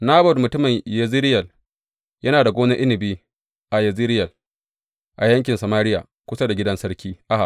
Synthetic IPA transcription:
naː˦bɔ˨dmʊ˨tʊ˦mɪ˨ɲjɐ˨zɪː˦ɾɪ˦jɐ˨l | jɐ˦naː˨da˨ɡʷoː˦na˦ʔɪ˦nɪ˨biː˦ | ʔa˨jɐ˨zi˦ɾɪ˦jɐ˨l | ʔa˨jɐ˦ŋk̬ʲɪ˨nsɐ˨maː˦ɾɪ˦ja̰˨ | kʷʊ˦sa˦da˨ɡʲɪ˦dɐ˦nsɐ˦rkʲiː˦ʔa˦ʔa˨

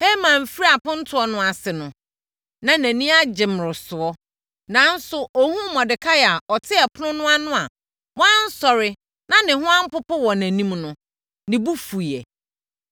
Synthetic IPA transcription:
he˦mãː˨m̩˨fi˦ɾi˦a˨pʊ̃˦n̩˦tʰʊ˦ɔ˦nʊ̃˦a˨sɪ˨nʊ̃˨ | nã˨næ̃˨nĩ˦a˦d͡ʑɪ˨m˨ɾɪ˨sʊ˨ɔ˦ | nã˨˦n̩˦sʊ˨ʔɔ˨hũ˦mɔ̃˨dɪ˨kʰa˦jɛ˨a˨ɔ˨tʰɪ˦ɛ˨pʰʊ˦nʊ̃˦nʊ̃˦a˦nʊ̃˦a˨ | wɔ̃˦n̩˦sɔ˨ɾɪ˦ | nã˨nɪ̃˨ɦʊ̃˦ã˦m̩˦pʊ˦pʊ˦wɔ˨næ̃˨nĩ˦mnʊ̃˦ | nɪ̃˨bu˦fu˨ɛ̰˨

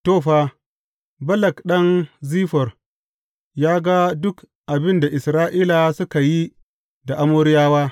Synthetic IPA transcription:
toː˦˨ɸaː˦ | bɐ˦lɐ˨kɗɐ˦nziː˦ɸɔ˨r | jaː˦ɡa˦dʊ˦k | ʔa˨bɪ˦nda˨ʔɪ˨sɾaː˦ʔiː˦la˨sʊ˦ka˨ji˦ | da˨ʔa˦moː˦ɾɪ˦jaː˦waː˦

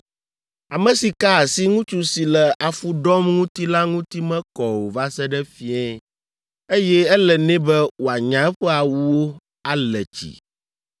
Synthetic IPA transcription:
a˨mɛ̃˨si˨ka˦˨si˦ŋũ˦t͡ʃu˦si˨lɛ˨ʔa˨fu˦ɖɔ˦mŋũ˦t̪i˦la˦ŋũ˦t̪i˦mɛ̃˦kɔ˨wo˨va˦sɛ˦ɖɛ˦fi˦ɛ˦ | e˦jɛ˦ɛ˦lɛ˨nɛ̃˦bɛ˦wo˨a˨ɲã˨ɛ˦ɸɛ˦a˨wu˦wo˦ | a˦lɛ˨t͡ɕḭ˨

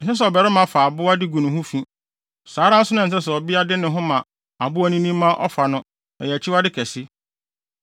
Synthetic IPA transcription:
ɦɛ˦s̬ɔ˨bɛ˨ɾɛ˦mã˨fa˨bʊ˦a˦dɪ˦ɡu˨nʊ̃˨ɦʊ̃˦fĩ˦ | saː˨˦ɾã˦n̩˦sʊ˦nʊ̃˦n̩˨s̬ɛ˦sɛ˨ɔ˨bi˦a˦dɪ˦nɪ̃˨ɦʊ̃˦mã˨ | a˨bʊ˦ɔ˦nĩ˦nĩ˦mã˦ʔɔ̰˦fa˨nʊ̃˦ | ɛ˨jɛ˨t͡ɕʰɪ˦wa˦dɪ˦kʰɛ˨sɪ˦

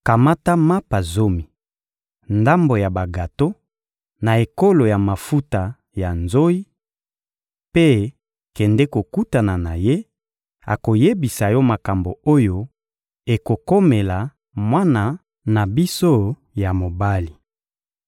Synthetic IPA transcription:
ka˨ma˦ta˦ma˦pa˨zo˦mi˨ | nda˦mbo˨ja˨ba˨ɡa˨to˦ | na˨e˨ko˦lo˨ja˨ma˨fu˦ta˨ | ja˨nzo˦i˦ | pe˦ | kɛ˨ndɛ˦ko˨ku˦ta˨na˨na˨je˦ | a̰˨ko˨je˦bi˨sa˨jɔ˦ma˨ka˨mbo˨o˦jo˦ | e˨ko˨ko˦me˨la˨ | mwa˦na˨ | na˨bi˦so˦ | ja˨mo˨ba˦li˨

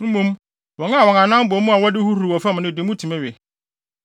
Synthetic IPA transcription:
m̩˦mũ˦m | wɔ̃˨ŋ˦˨wɔ˨ã˨nã˦m˦bɔ˨˦mũ˦a˨wɔ˦dɪ˦hu˦hu˨ɾu˨wɔ˨fɛ˦m˨nɪ̃˦˨dɪ˨˦mũ˦tʰi˨mɛ̃˦ɥɛ˨

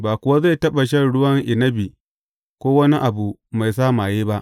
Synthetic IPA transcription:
baː˨kʷʊ˨wa˦za˦˨jtɐ˦ɓɐ˨ʃ̬ɐ˦˨nɽʊ˦wɐ˦ŋʔɪ˨nɐ˦bi˨ | kʷoː˦wɐ˦ni˦ʔa˨bu˨ma˨js̬aː˦˨maː˨jeː˦ba˦ʔ

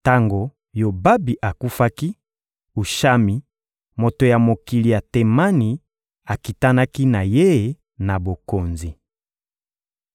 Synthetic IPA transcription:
ta˦ŋɡo˨ | jo˨ba˦bi˨ʔa˨ku˦fa˦ki˦ | u˨ʃa˦mi˨ | mo˨to˨ja˨mo˨ki˨li˨ja˨te˨ma˦ni˨ | a˨ki˨ta˦na˦ki˦na˨je˦˨ | na˨bo˨ko˨nzi˨

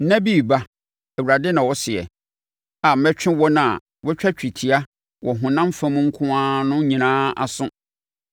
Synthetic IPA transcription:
nã˦bi˦˨ba˦ | ɛ˨wu˨ɾa˨dɪ˦nã˨wɔ˦sɪ˨ɛ̰˨ | a˨m̩˦mɛ˦t͡ɕᶣɪ̃˦wɔ˦nã˨ | wɛ˦t͡ɕᶣʰɛ˦t͡ɕᶣʰi˨tʰi˨a˦ | wʔɔ˨ɦʊ̃˨nã˦m˦fã˦mʊ̃˦ŋ̩˦kʰʊ̃˦ãː˦nʊ̃˦ɲĩ˨nãː˦a̰˨sʊ̃˦

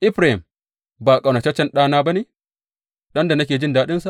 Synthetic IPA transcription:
ʔɪ˦ɸɾa˨i˨m | baː˨kʼa˨wnɐ˨t͡ʃɛ˦t͡ʃːɛ˦nɗaː˦naː˦ba˦neː˦ | ɗɐ˦nda˨na˦kʲeː˨d͡ʒɪ˦ndaː˦ɗɪ˦nsa˨ʔ

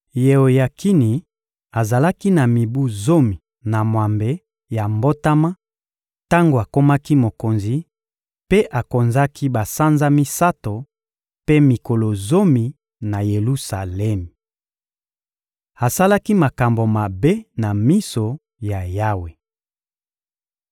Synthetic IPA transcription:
je˨o˨ja˨kʰi˦ni˨ | a˨za˨la˦ki˦na˨mi˨bu˦zo˦mi˨ | na˨mwa˨mbe˦ | ja˨mbo˦ta˦ma˦ | ta˦ŋɡo˨a˨ko˦ma˦ki˦mo˨ko˨nzi˨ | pe˦ʔa˨ko˨nza˦ki˦ba˨sa˦nza˦mi˦sa˦to˨ | pe˦mi˨ko˨lo˨zo˦mi˨ | na˨je˨lu˦sa˨lɛ˦m˨ | a˨sa˦la˦ki˦ma˨ka˨mbo˨ma˨be˦na˨mi˦so˨ | ja˨ja˦we˨

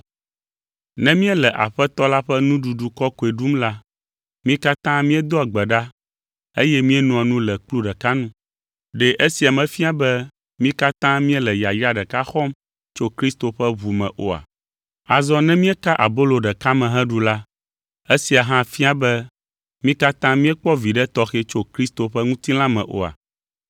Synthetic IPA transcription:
nɛ̃˦mĩ˦ɛ˦lɛ˨ʔa̰˨ɸɛ˦t̪ɔ˦la˦ɸɛ˦nũ˦ɖu˨ɖu˨kɔ˦ko˨e˨ɖu˦mla˦ | mĩ˦ka˦t̪ã˦mĩ˦ɛ˦d̪o˦a˨ɡ͡bɛ˨ɖa˦ | e˦jɛ˦mĩ˦ɛ˦nɔ̃˨a˨nũ˦lɛ˨k͡plu˦ɖɛ˨ka˦nũ˦ | ɖɛ˨ʔe˦si˨a˨mɛ̃˨fi˦a˨bɛ˦ | mĩ˦ka˦t̪ã˦mĩ˦ɛ˦lɛ˨ja˨ja˦ɖɛ˨ka˦xɔ˦m | t͡ʃo˦kɾi˦st̪o˨ɸɛ˦βu˨mɛ̃˨ʔo̰˨a̰˨ | a˨zɔ˦nɛ̃˦mĩ˦ɛ˦ka˦ʔa˨bo˦lo˨ɖɛ˨ka˦mɛ̃˨ɦɛ̃˦ɖu˨la˦ | e˦si˨a˨ɦã˦fi˦a˦bɛ˦ | mĩ˦ka˦t̪ã˦mĩ˦ɛ˦k͡pɔ˦vi˨ɖɛ˦t̪ɔ˦xe˦t͡ʃo˦kɾi˦st̪o˨ɸɛ˦ŋũ˦t̪ĩ˦lã˦mɛ̰̃˨ʔo̰˨a̰˨

